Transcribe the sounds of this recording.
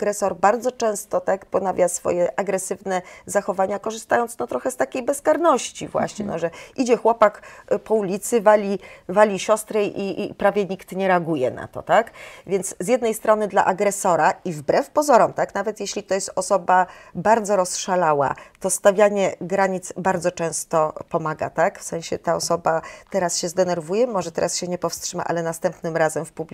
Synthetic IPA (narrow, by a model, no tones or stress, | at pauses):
ɡɾɛsɔɾbaɾd̪zɔt͡ʂɛ̃w̃st̪ɔt̪akpɔnavʲjasfɔ̰jɛʔaɡɾɛsɘvnɛzaxɔvaɲakɔʐɘst̪ajɔnt̪nɔt̪ɾɔxɛst̪akʲejbɛskaɾnɔɕt͡ɕḭvwa̰ɕɲɛnɔʐɛʔid͡ʑɛxwɔpakpɔulʲit̪sɘvalʲivalʲiɕɔst̪ɾɛḭpɾavʲjɛɲikt̪ɲɛɾɛaɡujɛ̰na̰t̪ɔ̰t̪akvʲjɛnt̪szjɛd̪nɛjst̪ɾɔnɘd̪la̰ʔaɡɾɛsɔɾaivbɾɛfpɔzɔɾɔmt̪aknavɛt̪jeɕlʲit̪ɔjɛst̪ɔsɔbabaɾd̪zɔɾɔsʂalawa̰t̪ɔst̪avʲjaɲɛɡɾaɲit̪sbaɾd̪zɔt͡ʂɛ̃w̃st̪ɔpɔmaɡa̰t̪akfsɛ̃ɕɛt̪aɔsɔbat̪ɛɾasɕɛzd̪ɛnɛɾvujɛmɔʐɛt̪ɛɾasɕɛɲɛpɔfstʂɘma̰ʔa̰lɛnast̪ɛmpnɘmɾazɛmfpubʲ